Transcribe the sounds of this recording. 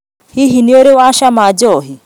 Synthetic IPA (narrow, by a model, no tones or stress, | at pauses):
hiɦinioɾeoaʃamad͡ʒɔɦi